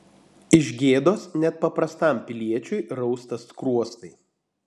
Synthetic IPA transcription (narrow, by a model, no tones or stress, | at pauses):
ɪʒʲɡʲeːd̪oːsnʲɛt̪̚pɐpɾɐst̪ɐˑmʲpʲɪlʲiɛt͡ʃʲʊɪɾɒʊst̪ɐskɾuɔst̪ɐɪ